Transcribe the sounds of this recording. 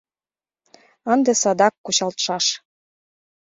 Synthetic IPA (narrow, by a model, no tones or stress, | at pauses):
ənd̪esɑd̪ɑkːuɕɑlt̪ʃɑʃ